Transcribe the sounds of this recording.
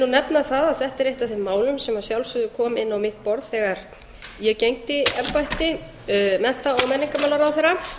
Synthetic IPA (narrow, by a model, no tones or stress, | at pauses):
unɛpnaθaðaðθɛht̪ɛɾejht̪aθɛmːaːwlʏmsɛmasjawlsʏðʏkʰɔːmɪnːawmɪht̪pɔɾð̥θɛːɣaɾ̥ | jɛcejŋt̪ɪɛpajht̪ɪ | mɛn̥t̪aɔɣmɛnːiŋkamawlaɾawθɛɾa